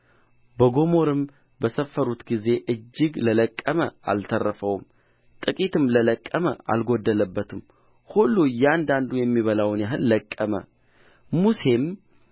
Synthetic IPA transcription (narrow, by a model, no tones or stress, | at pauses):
bəɡo̞mo̞ɾɨm | bəsəfːəɾut̪ɡize̞ʔɨd͡ʒːɪɡlələkʼːəməʔa̰lt̪ʰərːəfəwm | t̪ʼɨkʼit̪ɨmlələkʼːəməʔa̰lɡo̞d̪ːələbːət̪ʰɨm | hulːujɛand̪and̪ujɛmːiβəlawnjaɦɨlːəkʼːəmə̰ | muse̞m